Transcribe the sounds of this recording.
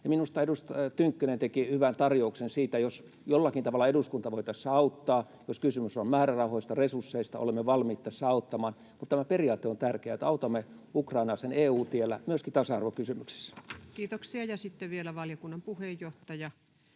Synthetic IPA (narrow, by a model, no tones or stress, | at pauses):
jɑminust̪ɑedust̪t̪yŋkːynent̪ekihyʋænt̪ɑrjouksensiːt̪æjos | jolːɑkint̪ɑʋɑlːˑɑeduskunt̪ɑʋoit̪ɑsːɑɑut̪ːɑː | joskysymysommæːrærɑuhoist̪ɑresursːeist̪ɑ̰ʔo̰lemːeʋɑlmiːt̪ːɑsːɑɑut̪ːɑmɑːn | mut̪t̪æmæperiɑːt̪ːeont̪ærkeæet̪ɑut̪ɑmːeukrɑinɑːseneːuːt̪ielːæmyøskit̪ɑsɑɑrʋokysymyksi̥sːæ̥kiːt̪oksiɑjɑsit̪ːeʋielæʋɑljokunːɑmpuhejːoht̪ɑjɑ